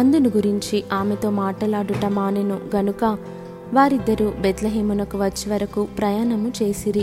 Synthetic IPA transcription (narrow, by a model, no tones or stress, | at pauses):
ɐnd̪unuɡuɾiɲt͡ʃiʔaːmet̪o̞ːmaːʈɐlaːɽuʈɐmaːnenuɡɐnukɐ | ʋaːɾid̪ːɐɾubɛt̪lɐɦeːmunɐkuʋɐt͡ʃːiʋɐɾɐkupɾɐjaːnɐmut͡ʃe̞ːsiɾi